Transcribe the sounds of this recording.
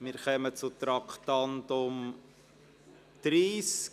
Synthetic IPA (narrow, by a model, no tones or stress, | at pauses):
mɪːɾχœmət͡sʊt̪ɾɑkχt̪ɑntʊm | d̪̥ɾiːs